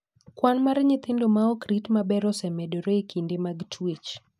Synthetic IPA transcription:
kwanmaɾɲɪt̪ɪndomaɔkɾitmabɛɾɔsɛmɛdɔɾekindemaɡtʰwet͡ʃ

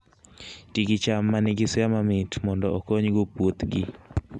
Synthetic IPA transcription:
tiɡɪt͡ʃamːanɪɡɪsɛamamɪtmɔndɔokoɲɡopwot̪ɡɪ

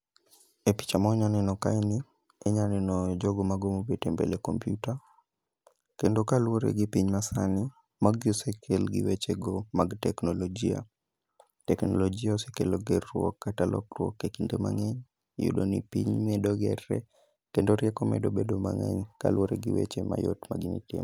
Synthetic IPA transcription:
epi̥t͡ʃamɔɲanɛnɔkaini | ɛɲanɛnɔd͡ʒoɡomaɡomobetembḛlekɔmpjuta | kendokalwoɾḛɡipiɲmasani | maɡiɔsekʰelɡḭwet͡ʃeɡomaɡtɛknɔlɔd͡ʒia̰ | tɛknɔ̰lɔd͡ʒiaɔsekeloɡɛrwɔkːatalʔɔ̰krwɔ̰kːekindema̰ŋɛɲ | jṵdonḭpiɲmɛdoɡɛrɛ | kendoɾjɛkɔmɛ̰dobedoma̰ŋɛ̰ɲka̰lwoɾeɡiwḛt͡ʃema̰jotmaɡinḭtjḛm

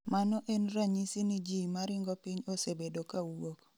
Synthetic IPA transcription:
manɔʔenraɲisinid͡ʒimaɾɪŋɡɔpiɲosebedokawok

